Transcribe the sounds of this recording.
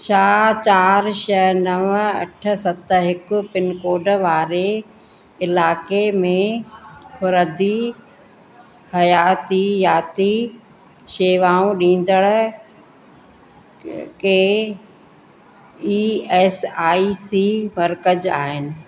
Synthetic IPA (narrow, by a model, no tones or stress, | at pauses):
t͡ɕʰaːt͡ɕaːɾʃɐɦnɐʋəɐ̰ʈʰə̆sɐt̪ɦɪkʊ̆pɪnkoːɖʋaːɾe | ɪlaːkemẽkʰʊɾəd̪i | hɐjaːt̪ijaːt̪i | ʃeːʋaːũɗĩːn̆d̪əɽ | keː | iːɛːsaːisiːmɐɾkəd͡ʑaːɦɪnɪ̆